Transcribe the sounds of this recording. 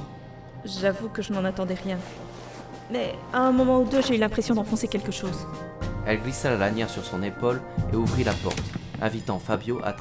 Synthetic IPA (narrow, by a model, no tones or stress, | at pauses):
ʒavukəʒənɑ̃nat̪ɑ̃d̪ɛʁjɛ̃ | mɛaɛ̃mɔmɑ̃ud̪øʒeylɛ̃pχesjɔ̃d̪ɑ̃fɔ̃sekʲɛlkəʃoːzɛlɡlisalalanjɛʁsyʁsɔ̃nepoleuvʁilapɔ̰ʁt̪ɛ̃vit̪ɑ̃fabjoʔa̰t̪